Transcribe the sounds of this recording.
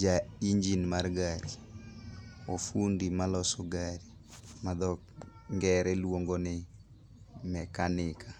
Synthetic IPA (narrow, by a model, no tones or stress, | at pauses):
d͡ʒaiɲd͡ʒinmarɡaɾi | ofundimalɔsɔɡaɾi | mad̪ɔ | ŋɡɛɾɛlwoŋɡonɪ | mɛkanɪkʰa